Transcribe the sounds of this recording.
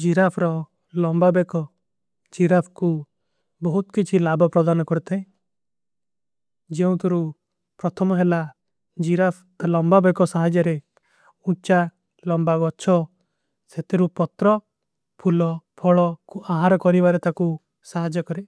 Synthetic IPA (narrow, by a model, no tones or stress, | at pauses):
d͡ʒiɾapʰɾɔ | lɔmbabekɔ | d͡ʒiɾapʰku | bɔɦut̪kit͡ʃʰilabɔpɾɔd̪anɔkɔɾit̪ʰaẽ | d͡ʒeũt̪uɾu | pɾɔt̪ʰɔmɔɦela | d͡ʒiɾapʰ | lɔmbabekɔsaɦad͡ʒjɔɾe | ut͡ʃa | lɔmbaɡɔt͡ʃʰɔ | set̪ʰeɾupɔt̪ɾɔ | pʰulɔpʰɔɭɔkuʔaɦaɾɔkɔɾibaɾet̪ʰaku | saɦad͡ʒɔkɔɾe